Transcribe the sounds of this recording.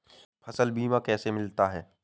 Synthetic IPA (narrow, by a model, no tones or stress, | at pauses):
pʰɐsəlbiːmãkɛːsemɪlt̪aɦɛː